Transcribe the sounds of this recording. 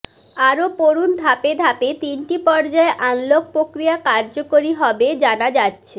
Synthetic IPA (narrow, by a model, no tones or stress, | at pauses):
aɾopoɾund̪ʱaped̪ʱapet̪inʈipɔɾd͡ʑaeʔanlok̚pɾokɾijakaɾd͡ʑokoɾiɦɔbed͡ʑanad͡ʑatːɕʰe